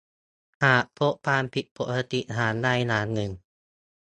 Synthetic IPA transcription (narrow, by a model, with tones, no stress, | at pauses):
haː˨˩ʔpʰo˦˥ʔpaː˧mpʰi˧˩ʔ̪̚pʰo˧˩ʔsa˧t̪i˧˨˩ʔɦaː˩˦ndaː˥˩jnaː˨˦˥nːɯ˨˩ŋ